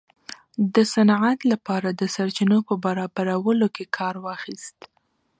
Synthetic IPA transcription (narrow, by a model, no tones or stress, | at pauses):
d̪əsanʕat̪lapɑɾad̪əsaɾt͡ʃinopəbaɾɑbaɾawəlokekʰɑɾwɑxist̪